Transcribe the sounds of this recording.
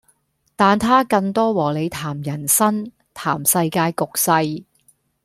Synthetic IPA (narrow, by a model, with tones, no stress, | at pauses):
t̪aː˨nt̪ʰaː˥kɐ˧ŋt̪ɔː˥wɔː˨˩le˨˧jt̪ʰaː˨˩mjɐ˨˩nsɐ˥n | t̪ʰa̰ː˨˩msɐ˧jkaː˧jkʊ˨k̚sɐ˧j